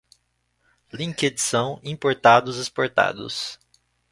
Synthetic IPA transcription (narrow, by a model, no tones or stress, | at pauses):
lĩked͡ʒisɐ̃w̃ĩpoɾt̪ad̪ʊzespoɾt̪a̰d̪ʊ̰s